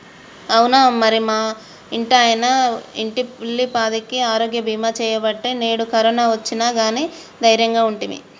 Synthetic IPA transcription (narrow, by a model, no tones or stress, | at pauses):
ɐwunamɐɾimaː | iɳʈɐjɐnɐiɳʈiilːipaːd̪ikiaːɾo̞ːɡjɐbʱiːmaːt͡ʃɛːjɐbɐʈːeːne̞ːɽukɐɾɐnaːʋɐt͡ʃːinaːɡaːniː | d̪ɐjɾjɐŋɡaːuɳʈimḭ